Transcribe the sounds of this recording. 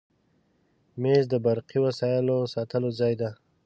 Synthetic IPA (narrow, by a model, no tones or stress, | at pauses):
mezd̪əbaɾqiwasɑjəlosɑt̪əlozɑjd̪a